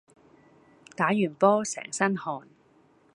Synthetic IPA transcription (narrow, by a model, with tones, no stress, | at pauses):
t̪aː˨˥jyː˨˩npɔː˥sɛ̰ː˨˩ŋsɐ˥nhɔː˧n